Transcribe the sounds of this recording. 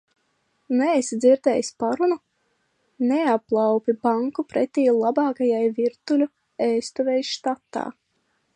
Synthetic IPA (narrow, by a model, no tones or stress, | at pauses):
nɛjsd̪ziɾd̪ɛjspaɾunu | neaplˠawpʲibaŋkupɾɛt̪ʲiːulˠabɑːkajajviɾt̪ulʲu | ɛːst̪uvʲɛjʃt̪at̪ːa̰ː